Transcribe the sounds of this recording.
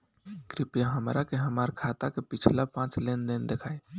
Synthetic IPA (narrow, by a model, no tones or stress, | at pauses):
kɾipjaɦəmɾakeɦəmaɾkʰat̪akepit͡ʃʰlapãt͡ʃlend̪end̪ekʰae